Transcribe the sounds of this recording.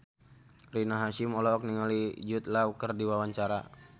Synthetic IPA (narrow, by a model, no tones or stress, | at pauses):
rinaɦaʃimɔlɔːk̚niŋɔlid͡ʒut̪̚lawkərdiwawaɲt͡ʃaɾa̰